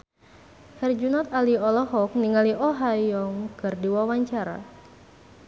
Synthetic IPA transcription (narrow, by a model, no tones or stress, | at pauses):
hɛrd͡ʒunɔt̪̚aliɔlɔɦɔk̚niŋaliʔɔɦajɔŋkərdiwawaɲt͡ʃaɾa̰